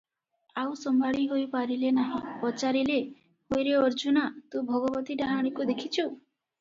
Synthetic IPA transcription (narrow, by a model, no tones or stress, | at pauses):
awsɔmbaɭiɦojpaɾilenaɦĩpɔt͡ʃaɾile | hojɾeɔɾd͡ʒunat̪ũbʱɔɡɔbɔt̪iɖaɦaɽ̃ikud̪ekʰit͡ʃʰu